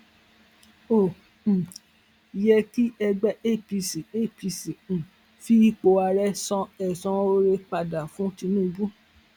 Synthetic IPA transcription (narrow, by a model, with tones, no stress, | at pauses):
õ˨ | jɛ˧ki˦ɛ˧ɡ͡bɛ˦ʔe˦˨pi˧si˨e˦˨pi˧sĩ˨ | fi˦i˦˧k͡po˧a˧ɾɛ˦sɔ̃˧ɛ˨sɔ̃˧˦o˦ɾe˧k͡pa˧da˨fũ˨˦ti˧nũ˦˨˧bu˦